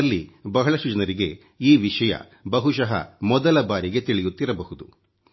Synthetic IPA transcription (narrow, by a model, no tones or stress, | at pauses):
lːibɐɦɐɭɐʃud͡ʒɐnɐɾiɡe̞ | iːʋiʃɐjɐ̰ | bɐɦuʃɐɦɐ̰mɔd̪ɐlɐbaːɾiɡe̞t̪iɭijut̪ːiɾɐbɐɦud̪u